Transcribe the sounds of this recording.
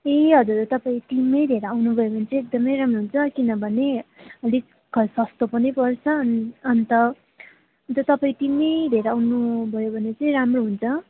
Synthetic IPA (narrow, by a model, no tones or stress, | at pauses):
eɦʌd͡zurt̪ʌpaĩt̪imʌjd̪ʱeɾawnubʱʌjobʱʌnet͡sʌĩek̚d̪ʌmʌjɾamroɦunt͡sʰʌkinʌbʱʌneʌli | ɡʌsʌst̪opʌnijpʌrt͡sʰʌnʌnt̪ʌ | nt̪ʌt̪ʌpaĩt̪imʌjd̪ʱeɾawnubʱʌjobʱʌnet͡sʌĩɾamroɦunt͡sʰʌ